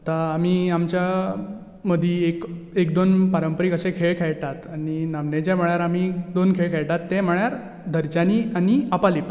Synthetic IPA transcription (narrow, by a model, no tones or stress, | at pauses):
ət̪aːmiːamt͡ɕja | məd̪ʱiekekd̪onpaɾəmpəɾikəsẽkʰeɭkʰɛɭʈat̪añinamnet͡ɕam̤əɭjaɾamid̪onkʰeɭkʰɛɭʈat̪ːẽm̤əɭjaɾ | d̪ʱəɾt͡ɕaniːaniəpalipa